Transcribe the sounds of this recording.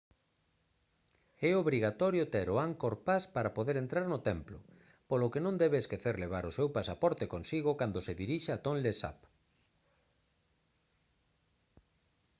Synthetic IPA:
ɛoβɾiɣat̪ɔɾjot̪eɾʊaŋkoɾpaspaɾapoðeɾent̪ɾaɾnʊt̪ɛmplʊ̰ | polʊkenõnd̪ɛβeːskeθeɾleβ̞aɾʊsewpasapɔɾt̪ekonsiɣ̞ʊkand̪oseðiɾiʃeat̪onlesa̰p

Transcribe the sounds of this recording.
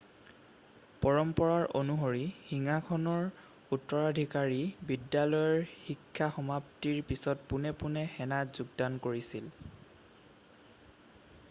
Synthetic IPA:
pɔɹɔmpɔɹaɹonuɦoɹixiŋakʰɔnɔɹ | utːɔɹadʱikaɹibidjalɔjɔɹxikʰːaxɔmaptiɹpisɔtpunɛpunɛxɛnatzuɡdankoɹisil

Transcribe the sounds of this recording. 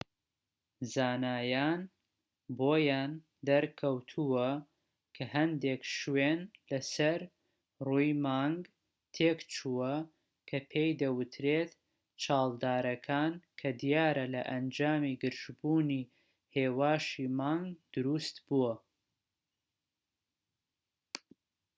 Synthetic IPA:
zaːnaːjaːn | boːjaːn | d̪ɐɾkʰɐwt̪ʰuwɐ | kʰɐɦɐnd̪eːkʃwenlɐsɐɾ | ruːjmaːŋɡ | t̪ʰeːkt͡ʃʰuwɐ | kʰɐpʰejd̪ɐwɨt̪ʰɾeːt̪ | t͡ʃʰɑːlˠd̪aːɾɐkʰaːnkʰɐd̪ijaːɾɐlɐ̰ʔɐnd͡ʒaːmiɡɨɾʒbuːniː | heːwaːʃimaːŋɡd̪ʊɾust̪buwɐ

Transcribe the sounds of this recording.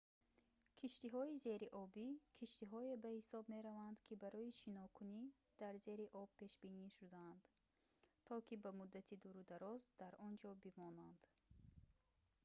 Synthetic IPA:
kʰiʃt̪iɦɔize̞ɾiʔɔbikʰiʃt̪iɦɔe̞bahisɔbme̞ɾavand̪kʰibaɾɔiʃinɔkʰuni | d̪̥aɾze̞ɾiʔɔbpʰe̞ʃbiniʃud̪aand̪̥ | t̪ʰɔkibamud̪ːat̪ʰid̪uɾud̪aɾɔzd̪aɾʔɔnd͡ʒɔbimɔnand̪̥

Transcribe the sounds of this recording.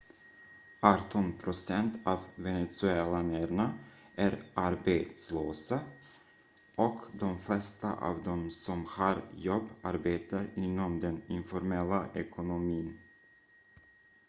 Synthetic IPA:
ɑt̪ʰɔnpʰɾʊsɛnt̪ʰɑːvvɛnɛt̪sʉɛlanæɾɳa | ʔæɾʔaɾbeːt̪sløːsa | ʔɔkd̪ɔmflɛst̪a̰ʔɑ̰ːvd̪ɔmsɔmhɑːɾjɔbːaɾbeːt̪aɾɪnːɔmd̪ɛnɪnfɔɾmɛlːaʔɛkʰʊnʊmiːn

